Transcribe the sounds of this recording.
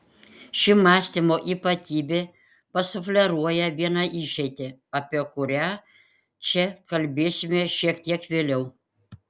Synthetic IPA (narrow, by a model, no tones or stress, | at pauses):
ʃʲɪmɑːsʲt̪ʲimoːʔiːpɐt̪ʲiːbʲeː | pɐsʊfʲlʲɛɾuɔjɛʋʲiɛnɑʔiʃʲɛɪt̪ʲeɐpʲiɛkʊɾʲæː | t͡ʃʲɛkɐlʲbʲeːsʲɪmʲeːʃʲiɛkt̪ʲiɛkʋʲeːlʲɛʊ